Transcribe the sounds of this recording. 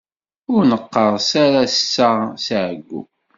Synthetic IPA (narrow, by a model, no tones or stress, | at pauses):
ʊɾnəqːəɾˤsaɾast͡sːəsʕəɡːṵ